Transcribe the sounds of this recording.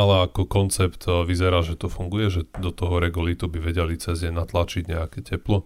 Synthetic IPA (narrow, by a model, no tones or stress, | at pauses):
alɛakɔkɔnt͡sɛpt̪ʋizɛɾaːʒɛt̪ɔfuŋɡujɛʒɛd̪ɔt̪ɔɦɔɾɛɡɔlit̪ubiʋɛɟɛlit͡sɛzɲɛnat̪lat͡ʃiɟɲɛakɛcɛplɔ